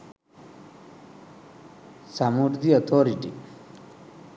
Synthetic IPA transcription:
samuɖd̪iɔt̪ʰoɾiʈḭ

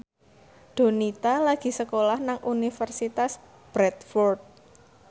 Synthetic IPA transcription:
ɖ̪̥o̤nit̪alaɡ̥i̤səkolahnaŋʔunifərsit̪as | b̥ɾɛt̪fɔrd̪̚

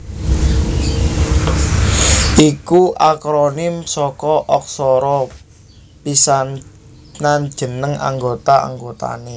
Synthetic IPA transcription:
ʔikuʔakɾonɪmsɔkɔʔɔk̚sɔɾɔ | pisan | nand̥ʒ̥ə̤nəŋa̰ŋɡot̪aa̰ŋɡot̪a̰ne

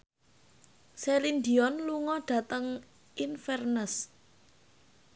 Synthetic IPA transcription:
selind̪iɔnluŋɔɖ̥a̤t̪əŋ | infɛrnəs

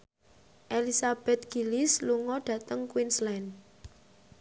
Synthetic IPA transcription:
ʔelisab̥ɛt̪̚ɡ̥i̤lɪsluŋɔɖ̥ä̤t̪əŋkwinslɛn

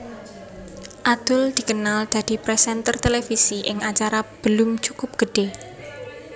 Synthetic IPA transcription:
ʔad̪̥ʊld̪̥i̤kənald̪̥a̤d̪̥i̤pɾɛsɛnt̪ərt̪elefisiʔɪŋat͡ʃaɾab̥əlʊmt͡ʃukʊp̚ɡ̥ə̤ɖ̥e

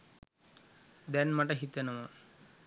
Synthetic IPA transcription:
d̪ɛnmaʈəɦit̪enəmə

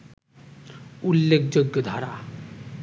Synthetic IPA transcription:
ulːekʰd͡ʑoɡːjod̪ʱaɾa̰

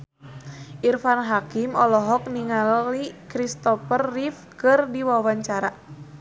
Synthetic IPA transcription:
ʔirfanɦakimɔlɔɦɔk̚niŋalikɾist̪ɔfərːif | kɨrdiwawaɲt͡ʃaɾa

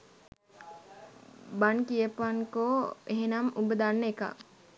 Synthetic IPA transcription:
bankijəpaŋkoeɦenamubəd̪anːeka̰

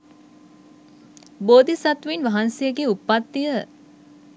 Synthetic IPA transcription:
boːd̪isat̪ʋinʋaɦansejəɡeupːat̪ːijə

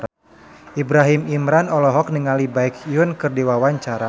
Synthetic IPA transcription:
ʔibɾaɦimimɾanɔlɔɦɔk̚niŋalibaɪkiʊnkɨrdiwawaɲt͡ʃaɾa

